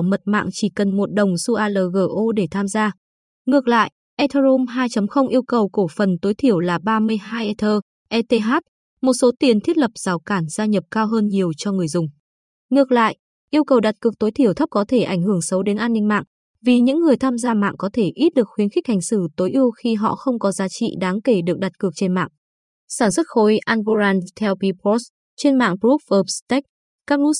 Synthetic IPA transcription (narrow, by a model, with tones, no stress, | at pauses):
mə˨˩t̚ma̰ː˧˨ŋt͡ɕi˧˩kə˨˩nmo˨˩t̚ɗə˨˩wŋ͡msu˧ʔaː˧˩ləː˨˩ɣəː˧˩ʔo˧ɗe˧˩t̪ʰaː˧mzaː˧ | ŋɨ˨˩ək̚la̰ː˧˨jʔ | ʔɛ˧t̪ʰəː˧zo˧mɦaː˧jt͡ɕə˨˦mxə˧wŋ͡mʔi˧əwkə˨˩wko˧˩fə˨˩nt̪o˨˦jt̪ʰi˧˩əwlaː˨˩ɓaː˧mɨ˧əjɦaː˧jʔɛ˧t̪ʰəː˧ | ʔɛ˧t̪e˧ɦaː˦˥t̚ | mo˨˩t̚so˨˦t̪i˨˩ənt̪ʰi˦˥ət̚lə˨˩p̚z̥aː˨˦wkaː˧˩nzaː˧ɲə˨˩p̚kaː˧wɦəː˧nɲi˨˩əwt͡ɕɔ˧ŋɨ˨˩əjzʊ˨˩ŋ͡m | ŋɨ˨˩ək̚la̰ː˧˨jʔ | ʔi˧əwkə˨˩wɗa˨˩t̚kɨ˨˩ək̚t̪o˨˦jt̪ʰi˧˩əwt̪ʰə˦˥p̚kɔ˨˦t̪ʰe˧˩ʔa˧˩jŋ̟hɨ˧˩əŋsə˨˦wɗe˨˦nʔaː˧nːï˧ŋma̰ː˧˨ŋ | vi˨˩ɲɨ̰˧˥ŋːɨ˨˩əjt̪ʰaː˧mzaː˧ma̰ː˧˨ŋkɔ˨˦t̪ʰe˧˩ʔi˦˥t̚ɗɨ˨˩ək̚xwi˨˦ənxɪ˦˥k̟̚ha˨˩jŋ̟sɨ˧˩t̪o˨˦jʔi˧əwxi˧ɦɔ̰˧˨xə˧wŋ͡mkɔ˨˦zaː˨˦t͡ɕḭ˧˨ɗaː˨˦ŋke˧˩ɗɨ˨˩ək̚ɗa˨˩t̚kɨ˨˩ək̚t͡ɕe˧nma̰ː˧˨ŋ | saː˧˩nswə˦˥t̚xo˨˦jʔaː˧nvo˧ɾaː˧nt̪ʰɛ˧wpi˧pɔ˦˥s | t͡ɕe˧nma̰ː˧˨ŋpɹu˦˥f̚ʔəː˧˩p̚st̪ɛ˦˥k̚ | kaː˦˥k̚lu˧˦˥